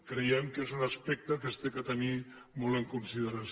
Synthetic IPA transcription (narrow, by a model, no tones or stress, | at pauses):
kɾejɛmkezunaspɛk̚t̪əkəst̪ekat̪əni | mɔləŋkunsiðəɾas